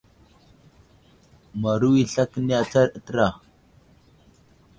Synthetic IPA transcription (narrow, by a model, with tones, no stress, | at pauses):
ma˨ɾu˦wi˦ɬa˦kə˦ni˦a˨t͡sa˦ɾə˨tə˦ɾa˨